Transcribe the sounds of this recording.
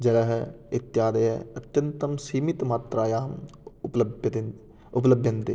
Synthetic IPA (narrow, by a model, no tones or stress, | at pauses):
d͡ʒɐlɐɦɪt̪ːjaːd̪ɐjɛɐt̪jɐnt̪ɐmsiːmit̪maːt̪ɾaːjaːmpbt̪e | ʊpləbʱjɐ̃nt̪ḛ